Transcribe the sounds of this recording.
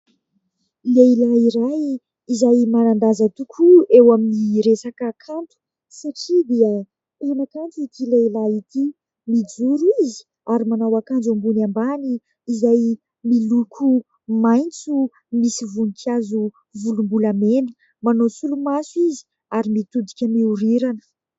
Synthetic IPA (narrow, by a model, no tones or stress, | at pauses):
leilaiɾaj | izajmanand̪azət̪ukʰuewaminiɾesakəkʰant̪u̥ | saʈ͡ʂid̪iə | enakant̪uit̪ileilait̪i | mid͡zuɾuizi̥ | aɾimanawakand͡ʒambunambaniː | zaj | milukʰu | majnt͡su | misivunikʰjazu | vulumbulameni̥ | manosulumasuizi̥ | aɾimit̪ud̪ikʲəmiuɾiɾanə̥